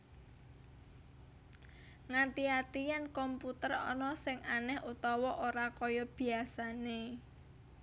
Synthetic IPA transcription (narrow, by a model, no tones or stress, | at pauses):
ŋant̪iat̪ijɛnkɔmput̪ərɔ̰nɔsɪŋanɛhut̪ɔwɔʔoɾakɔjɔb̥i̤asane